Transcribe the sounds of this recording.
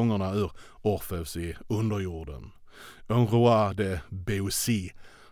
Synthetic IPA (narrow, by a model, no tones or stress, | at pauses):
ɔŋːəɳaʉ̟ːɾɔɾfɛfsɪɵnd̪əɾjuːɖə̰nɔnɾʊad̪əbeusi